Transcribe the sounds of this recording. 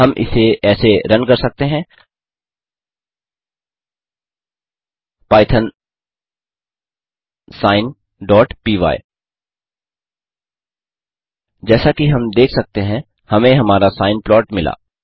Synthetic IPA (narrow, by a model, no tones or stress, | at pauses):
ɦɐmʔɪ̰seɛːseɾɐnkɐɾsɐk̚t̪eɦɛ̃ | paːɪt̪ʰən | saːɪn | ɖɔːʈpiːʋa̰ːi | d͡ʒɛːsakiɦɐmd̪eːkʰsɐk̚t̪eɦɛ̃ | hɐmẽɦɐmaːɾasaːɪnplɔːʈmɪla̰ː